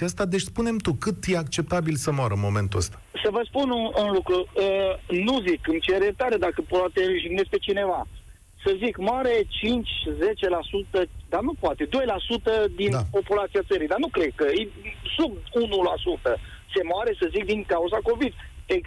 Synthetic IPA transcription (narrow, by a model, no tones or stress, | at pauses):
əst̪ad̪et͡ʃspune̞mt̪ukɨt̪je̞akt͡ʃe̞p̚t̪abilsəmoaɾəɨnmome̞nt̪uəst̪ḁsəvəspunɨɨnlukɾuənuzikɨmt͡ʃeɾet̪aɾed̪akəpat̪eʒiɡnespe̞t͡ʃine̞va | səzikmoaɾe̞t͡ʃint͡ʃʲze̞t͡ʃe̞lasut̪əd̪anupoat̪e̞d̪o̞jlasut̪əd̪inpo̞pulat̪siat̪səɾid̪anukɾed̪̚kəesub̚unulasut̪ə | se̞moaɾe̞səzik̚d̪iŋkauzako̞vid̪e